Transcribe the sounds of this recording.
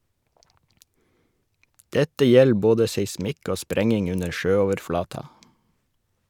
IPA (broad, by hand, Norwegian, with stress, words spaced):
ˈdɛtə ˈjɛl ˈboːdə seɪˈsmɪk ˈoː ˈspɾɛŋɪŋ ˈʉnəɾ ˈʃøːˌoːʋəɾˌflɑːtɑ